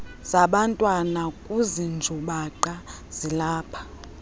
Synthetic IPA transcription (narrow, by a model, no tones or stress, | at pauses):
z̥aɓantʼwanakʼuzind͡ʒʱuɓaǃa | z̥ilaːpʰḁ